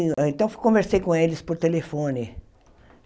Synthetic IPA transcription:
ẽnt̪ɐ̃w̃fkõveɾsejkõelɪspoɾt̪elefõnɪ

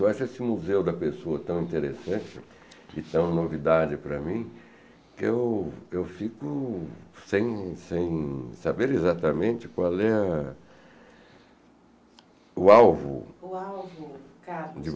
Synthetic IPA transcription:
aʃesɪmuzewd̪ɐpesoɐt̪ɐ̃w̃ĩnt̪eɾesɐ̃nt͡ʃɪ | ɪt̪ɐ̃w̃novid̪ad͡ʒɪpɾɐmĩ | kɪewewfikʊsẽj̃sẽj̃sabeɾezat̪ɐmẽnt͡ʃɪ̥kwalɛ | ʊawvʊ̰awvʊkad͡ʒɪ

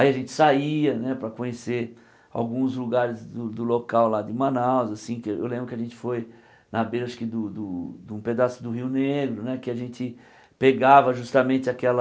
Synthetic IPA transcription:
aiɐʒẽnt͡ʃ̪ɪ̥saiɐnɛpɾɐkõɲeseɾ | a̰wɡũzluɡaɾɪzd̪ʊd̪ʊlokawlad͡ʒ̪ɪmɐ̃nawzasĩkɪḛwlẽbɾʊkɪaʒẽnt͡ʃ̪ɪ̥foj | nɐbejɾaʃʊ̥kɪd̪ʊd̪ʊd̪ũped̪asʊd̪ʊɦiwneɡɾʊnɛkɪaʒẽnt͡ʃ̪ɪ | peɡavɐʒust̪ɐmẽnt̪ɪakɛlɐ

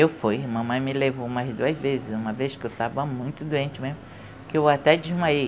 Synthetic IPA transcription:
ewfujmɐ̃mɐ̃j̃mɪlevoũmɐzd̪uɐzvezɪzũmɐveskɪewt̪avɐmũj̃t̪ʊd̪uẽnt͡ʃɪmẽzmʊ | kɪewat̪ɛd͡ʒizmaej

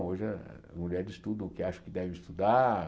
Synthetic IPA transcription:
oʒɪɐmuʎɛɾd͡ʒɪst̪ud̪ɐ̃ʊkɪaʃɐ̥kɪd̪ɛvɪist̪ud̪a

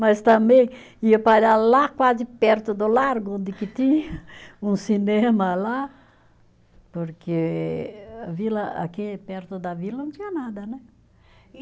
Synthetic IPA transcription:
mɐst̪ɐ̃mbẽj̃ | iɐpaʎalakwazɪpɛɾt̪ʊd̪ʊlaɾɡʊõnd̪ɪkɪt̪ĩɲɐũsinẽmɐla | poɾkʰe | avilɐa̰kipɛɾt̪ʊd̪ɐvilɐnɐ̃t̪ĩɲɐnad̪ɐnɛ

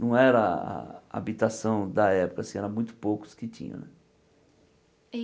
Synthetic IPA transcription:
nɐ̃w̃ɛɾɐa̰a̰bit̪asɐ̃w̃d̪ɐɛpʊ̥kɐasĩɛɾɐ̃mũj̃t̪ʊ̥pokʊ̥skɪtḭ̃ɲɐ̰̃nɛ

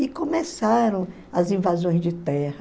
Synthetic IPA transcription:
ɪkõmesaɾɐ̃w̃ | ɐzĩvazõj̃zd͡ʒɪt̪ɛhɐ

